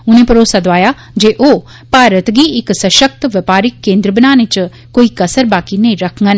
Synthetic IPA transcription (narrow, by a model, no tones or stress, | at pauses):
ʊnẽpɐɾoːsad̪oaːja | d͡ʑeːʔoː | paːɾət̪ɡiɪksɐʃək̚t̪ʋɪɐpaːɾɪkːẽːnd̪ɾəbɪnaːnɪt͡ɕʊ | koːikɐsəɾbaːkinɐ̃ĩɾɐkʰə̃ŋɡən